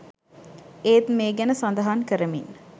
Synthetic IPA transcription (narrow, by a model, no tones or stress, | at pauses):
eːt̪meːɡænəsand̪əɦankəɾəminː